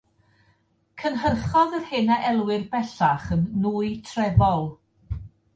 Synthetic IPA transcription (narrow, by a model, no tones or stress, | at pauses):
kʰənɦərχɔðərhɪnaʔɛlˠwɪrbɛɬaχənːuːɨjtʰrɛvɔlˠ